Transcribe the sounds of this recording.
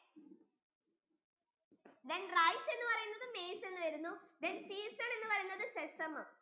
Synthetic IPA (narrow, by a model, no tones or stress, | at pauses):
d̪enrɐjse̞nːɨpɐrɐjunːɐðɨmeːse̞nːɨʋɐɾunːud̪ensiːstɐɳe̞nːɨpɐrɐjunːɐðɨsesɐm